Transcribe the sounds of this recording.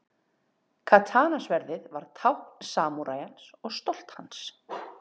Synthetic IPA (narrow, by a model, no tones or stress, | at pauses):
kʰat̪ʰaːnasvɛɾðɪðvaɾ̥t̪ʰawhk̚nsaːmuɾaːjansɔɣst̪ɔl̥t̪hans